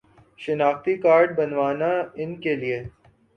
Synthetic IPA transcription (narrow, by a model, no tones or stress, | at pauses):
ʃɪnaːxt̪ikaːɾɖ̚bɐnʋaːnaɪnkelie